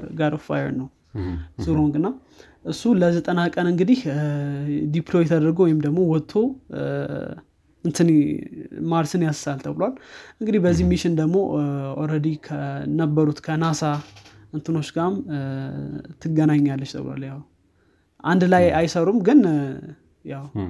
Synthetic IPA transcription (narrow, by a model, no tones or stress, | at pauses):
ɡaɾofa̰jɛ̰ɾnəw | zuɾoŋɡɨnːa | ʔɨsːuləzət̪ʼənakʼənɨŋɡɨd̪ih | d̪iplo̞jɛt̪ʰəd̪əɾɡəwɔjɪmd̪əɡmo̞wɔt̪ʰːo̞ | ɨnt̪ʰɨn | maɾsɨnjassalt̪ʰəβɨlwalʔɨŋɡɨd̪ihbəzːihmiʃɪnd̪əɡmo̞ɔɾəd̪ikʰənəbːəɾut̪kʰənasa | ʔɨnt̪ʰɨno̞t͡ʃːɡam | t̪ʰɨɡənaɲːalːət͡ʃt̪ʰə̰βɨla̰ljaw | ʔand̪lajajsəɾumɡɨn | jaw